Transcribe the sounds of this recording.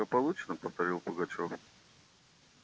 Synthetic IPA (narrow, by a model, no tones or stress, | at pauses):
əpɐlˠut͡ɕnəpəft̪ɐɾʲilˠpəɡɐt͡ɕof